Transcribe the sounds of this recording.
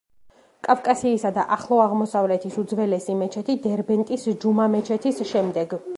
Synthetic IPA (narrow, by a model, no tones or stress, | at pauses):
kʼafkʼasiːsad̪aʔaχlˠɔaʁmɔsavlɛt̪ʰisud̪zvɛlɛsimɛt͡ʃʰɛt̪ʰid̪ɛɾbɛnt̪ʼisd͡ʒumamɛt͡ʃʰɛt̪ʰisʃɛmd̪ɛɡ